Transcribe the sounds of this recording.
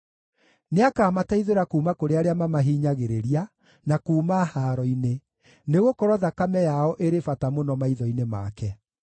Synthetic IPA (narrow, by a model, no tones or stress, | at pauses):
neakaːmataiðeɾakuːmakoɾeaɾeamamaɦiːɲaɣeɾeɾia | nakuːmahaɾɔine | neɣokoɾɔðakamɛjaɔʔeɾefatamonɔmaiðɔinema̰kɛ